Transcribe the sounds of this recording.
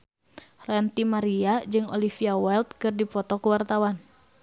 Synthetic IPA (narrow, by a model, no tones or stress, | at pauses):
rant̪imaɾiad͡ʒɨŋo̰lifiawɛlt̪̚kɨrdipɔt̪ɔkuwart̪awan